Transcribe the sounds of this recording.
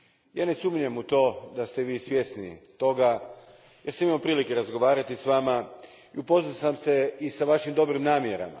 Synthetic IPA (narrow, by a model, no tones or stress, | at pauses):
jaːne̞sumɲemut̪o̞ːd̪ast̪eʋiːsʋje̞snḭt̪o̞ɡa | jeɾsamimaopɾiːlikeɾazɡo̞ʋaːɾat̪isʋaːma | iupo̞zasamseisaʋaʃimd̪o̞bɾimnaːmjeɾa̰ma̰